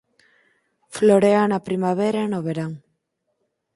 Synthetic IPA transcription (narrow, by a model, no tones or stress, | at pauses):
floɾeanapɾimaβeɾanoβeɾaŋ